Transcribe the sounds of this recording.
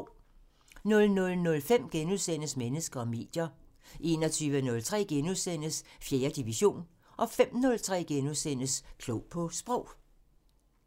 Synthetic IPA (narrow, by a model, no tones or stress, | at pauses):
nɔ̽lnɔ̽lnɔ̽lfem̰ɡ̥enuðˠsen̰əsmenəsɡ̥ɐɒ̽me̝̰ːd̥jɐʔe̝ːnɒ̽t͡sʰyːʋənɔ̽lt͡sʰʁɛ̰ːɡ̥enuðˠsen̰əsfjeːɐd̥iʋiɕo̝̰ːn | ʔɒ̽fem̰nɔ̽lt͡sʰʁɛ̰ːɡ̥enuðˠsen̰əskʰloɔʊpʰɒ̽sb̥ʁɔʊ̰